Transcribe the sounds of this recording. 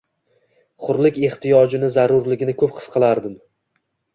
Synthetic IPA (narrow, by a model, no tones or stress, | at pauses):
χʊɾlɪkʲe̞χt̪ʰijɒd͡ʒɪnɪzaɾʊɾlɪɡʲɪnɪkʰɵpqʰɨ̥sqʰɨlˠaɾd̪ɪm